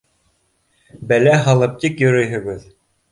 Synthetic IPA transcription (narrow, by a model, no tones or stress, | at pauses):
bælæɦɑlˠɤp̚t̪ikjɵ̆ɾɵ̆jɦɘ̆ɡɘð